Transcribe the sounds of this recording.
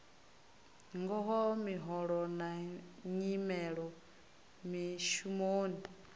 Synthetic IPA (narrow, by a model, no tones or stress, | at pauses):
ŋɡɔɦɔmiɦɔɺɔnaɲimɛɺɔ | miʃumoːnda